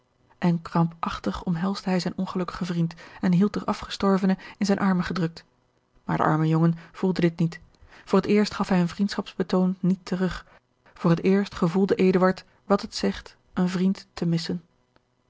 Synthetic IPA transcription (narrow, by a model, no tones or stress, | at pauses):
ʔɛnkrɑmpɑχtəχɔmɦɛlˠzdəɦɛjzɛjnʔɔnχəlɵkə̥χəvrintɛnɦilˠt̚dəɹʔɑfχə̥stɔɹvənəɪnzɛjnʔɑɹməχədrɵk̚t | maːɹdə̰ʔɑ̰ɹməjoŋənv̥ulˠdədɪt̚nitfʊːrətɪːɹstχɑfɦɛjənvrintsχɑpsb̥ətownːitʰərɵχ | fʊːrətɪːɹstχəvulˠdəʔejdəʋɑɹt | ʋɑtɦətsɛχt | ənvrintːəmɪsən